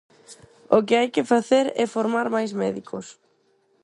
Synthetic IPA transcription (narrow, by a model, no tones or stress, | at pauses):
ɔɣcɛejcɪfɾaθɛɾɛfɔɾmaɾmajsmɛːðikʰʊs